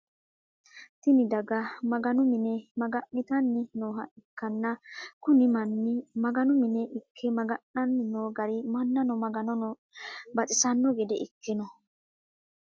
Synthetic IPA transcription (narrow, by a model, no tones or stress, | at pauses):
t̪ɪnɪd̪ɐɡɐmɐɡɐnʊmɪnɛmɐɡɐʔːɪt̪ɐnːɪnoːɦɐʔɪkːɐnːɐkʊnɪmɐnːɪmɐɡɐnʊmɪnɛʔɪkʰːɛmɐɡɐnːɐnːɪnoːɡɐɾɪmɐnːɐnɔmɐɡɐnɔnɔ | bɐt͡sʼɪsɐnːɔɡɛd̪ɛʔɪkːɪnɔ